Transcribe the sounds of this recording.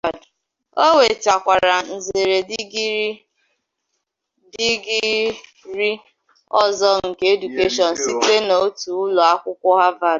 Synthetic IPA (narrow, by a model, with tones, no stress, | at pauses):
a˨d | o˦we˨ta˨kʷa˨ɾa˨n̩˨ze˨ɾe˨di˦ɡi˦ɾ | di˦ɡi˦ | ɾi˦ | ɔ˦zɔ˦ŋ̩˨ke˦e˦du˨ke˦ʃɔ˨n̩˨si˦te˦no˨o˦tu˨ʊ˦lɔ˨a˦kʷʊ˦kʷʊ˦ɦa˦va˦˨d